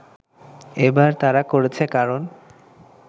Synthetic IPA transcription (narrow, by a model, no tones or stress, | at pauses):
ebaɾt̪aɾakoɾet͡ɕʰekaɾon